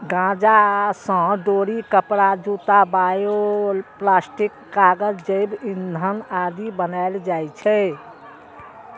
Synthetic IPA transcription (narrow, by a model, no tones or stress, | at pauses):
ɡãd͡ʒasə̃ɖoɾikəpɾad͡ʒut̪abajoplaːsʈikːaɡəd͡ʒd͡ʒəɪbind̪ʱənad̪ibənaɪld͡ʒajt͡ʃʰɛ